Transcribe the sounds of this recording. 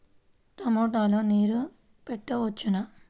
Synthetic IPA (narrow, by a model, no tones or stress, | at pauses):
t̪ɐmoːʈaːloːniːɾu | peʈːɐʋɐt͡ʃːunɐ